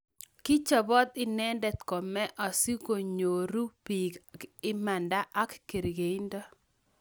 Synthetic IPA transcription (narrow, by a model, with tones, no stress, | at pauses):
kɪ˦t͡ʃɔ˨bɔ˦t̪ɪ˦nɛ˦ndɛ˨t̪kɔ˨mɛ˦ʔɔ˨si˦ko˨ɲo˨ɾu˦pi˨ɡɪ˦ma˨nda˦ʔa˦kkːe˨ɾɡe˨i˦ndɔ˦